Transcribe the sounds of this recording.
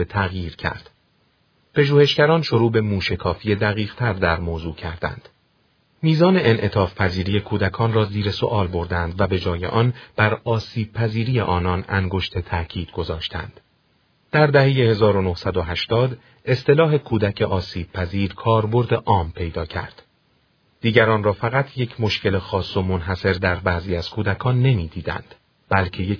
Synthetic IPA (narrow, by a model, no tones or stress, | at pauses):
et̪ʰæɣjiːɾcʰæ̰ɾd̪̥ | pʰe̞ʒuːhe̞ʃcæɾɒːnʃo̞ɾuːbe̞muːʃe̞kʰɒːfije̞d̪æɣiːʁt̪ʰæɾd̪æɾmoːzuːcʰæɾd̪æ̰nd̪̥ | miːzɒːne̞ʔenʔe̞t̪ʰɒːfpʰæziːɾije̞kʰuːd̪ækʰɒːnrɒːziːɾe̞so̞̰ʔɒːlbo̞ɾd̪ænd̪væbe̞d͡ʒɒːje̞̰ʔɒnb̥æɾɒːsiːb̥̚pʰæziːɾiːje̞̰ʔɒːnɒnæŋɡo̞ʃt̪ʰe̞t̪ʰæʔcʰiːd̪̥ɡo̞zɒːʃt̪ʰæ̰nd̪̥ | d̪̥æɾd̪æhe̞jehe̞zɒːɾonohsæd̪o̞ɦæʃt̪ɒːd̪ | e̞st̪ʰe̞lɒːɦe̞kʰuːd̪æcʰe̞ʔɒːsiːb̥̚pʰæziːɾkʰɒːɾbo̞ɾd̪e̞ʔɒːmpʰe̞jd̪ɒːcʰæ̰ɾd̪̥ | d̪̥iːɟæɾɒːnrɒːfæɣæt̪ʰje̞cʰmo̞ʃce̞le̞xɒːsːo̞mo̞nɦæse̞ɾd̪æɾbæːziːæz̥kʰuːd̪ækʰɒːnːe̞miːd̪iːd̪æ̰nd̪̥ | b̥ælcʰe̞je